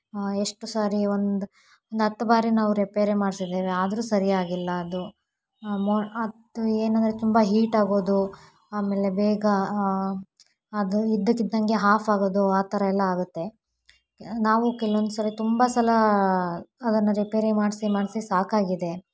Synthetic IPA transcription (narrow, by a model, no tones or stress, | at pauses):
eʂʈusaːɾiond̪u | ond̪ɦɐt̪ːɐbaːɾinaːʋuɾipeːɾemaːɖsid̪eːʋeaːd̪ɐɾuːsɐɾijaːɡilːɐɐd̪u | moɐd̪ueːnɐnd̪ɐɾet̪umbɐɦiːʈaːɡo̞ːd̪u | aːme̞ːle̞bɛːɡɐ | ɐd̪uid̪ːɐkːid̪ːɐŋɡe̞ɦaːpʰaːɡo̞ːd̪uaːt̪ɐɾɐɛlːɐaːɡut̪ːe̞ | naːʋukɛluʋond̪usɐlɐt̪umbɐsɐlɐ | ɐd̪ɐnːɐɾipeːɾemaːɖsimaːɖsisaːkaːɡid̪e̞